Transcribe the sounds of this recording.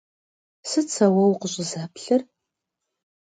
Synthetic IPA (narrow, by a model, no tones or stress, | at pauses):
sɨt͡sʰɐwɐwqəɕʼɪzaːpɬɨr